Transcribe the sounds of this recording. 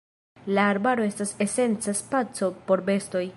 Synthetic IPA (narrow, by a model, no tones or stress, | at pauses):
laːɾbaɾo̞e̞stase̞se̞nt͡saspat͡so̞po̞ɾbe̞sto̞j